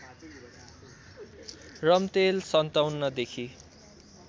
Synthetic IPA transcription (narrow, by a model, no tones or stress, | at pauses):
rʌmt̪elsʌnt̪awnːʌd̪ekʰi